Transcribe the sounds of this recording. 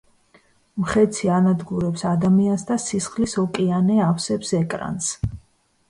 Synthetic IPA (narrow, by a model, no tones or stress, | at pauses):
mχɛt̪sʰianad̪ɡuɾɛpsad̪amiansd̪asisχlisɔkʼianɛafsɛpsɛkʼɾa̰ns